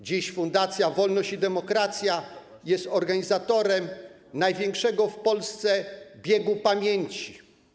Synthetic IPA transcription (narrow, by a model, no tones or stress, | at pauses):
d͡ʑiɕfund̪at̪sʲjavɔlnɔɕt͡ɕid̪ɛmɔkɾat̪sʲja | jɛst̪ɔɾɡaɲizat̪ɔɾɛm | najvʲjɛŋkʂɛɡɔfpɔlst̪sɛbʲjɛɡupamʲjeɲt͡ɕi